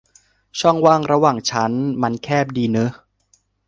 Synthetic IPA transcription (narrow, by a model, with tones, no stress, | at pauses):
t͡ɕʰɔ˥˩ŋwaː˥˩ŋɾa˧waː˨˩ŋt͡ɕʰa˦˥nma˧nkʰɛː˥˩p̚diː˧nɯ˦˥